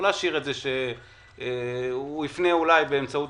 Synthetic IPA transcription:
laaʃiʁetzeʃe | uifneulajbe̞ːmt͡saut

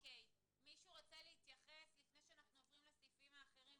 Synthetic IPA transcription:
okej | miʃuʁot͡seleit̪jaχeslifne̞jʃeanaχnuavʁimlesifimaːχe̞ʁim

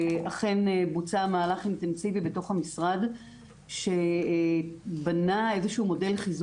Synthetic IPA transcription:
aχe̞nbut͡samaːlaχinte̞nsivibe̞to̞χhamisʁad | ʃe̞ | banae̞zeʃuːmo̞de̞lχiz

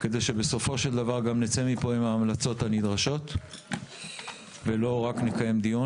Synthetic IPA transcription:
ke̞d̪e̞ʃe̞be̞so̞fo̞ʃe̞ld̪avaʁɡamnet͡semipo̞imaːmlat͡so̞tanid̪ʁaʃo̞t̪ | velo̞ʁaknekaje̞md̪iu

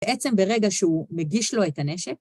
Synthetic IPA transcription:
ʔett͡se̞mbeʁe̞ɡaʃeumeɡiʃlo̞e̞tane̞ʃek

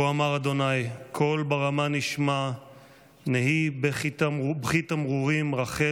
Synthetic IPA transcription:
oamaʁad̪o̞najkʰo̞lbaʁamaniʃma | nehibeχitabχit̪amʁuʁimʁaχe

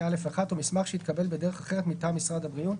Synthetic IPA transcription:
ale̞faχat̪umismaχʃeit̪kabe̞lbede̞ʁeχaχeʁet̪mit̪amisʁadhabʁiu

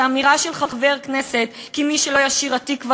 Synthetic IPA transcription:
amiʁaʃelχaχve̞ʁkne̞se̞t̪kimiʃelo̞jaʃiʁat̪ikva

